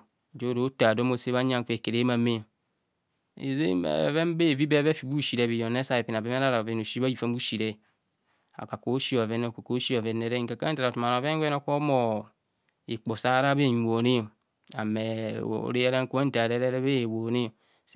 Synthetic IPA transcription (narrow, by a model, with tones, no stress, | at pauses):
d͡ʒo˦ɾo˦ta˨do˦mo˨se˦βa˦ɲ˦a˦ŋ˦k͡pe˨ke˨ɾe˨˦ma˨me˦˨ | ḛ˨zḛ˦˨ve˦m˦be˦˨vi˦be˦βe˦fi˨bu˦˨ʃi˨ɾe˨bi˨jo˨ne˦sa˦˨e˨pi˨n˨a˨be˦me˦ɾa˦ɾa˨ve˨˦no˨ʃi˦a˦ji˨fa˦m˦bu˦ʃi˨ɾe˦˨ | a̰˨ka˨ko˦ʃi˦o˨a˨ve˦ne˦˨ko˨ko˦ʃi˦˨ve˨nːe˨ɾe˦ŋ˨ka˨ka˦ta˨ɾa˨tu˨ma˨n˨o˨ve˦wno˦ko˦mo˨ | i˨k͡po˨sa˦ɾa˦be˦˨ɲ˨o˨ni˦o˨ | a̰˨mḛ˨o̰˦˨ɾe˦e˦ɾa˦ŋ˦ke˦n̩˦ta˨ɾe˦ɾe˦ɾe˦βe˦˨wo˨ni˦˨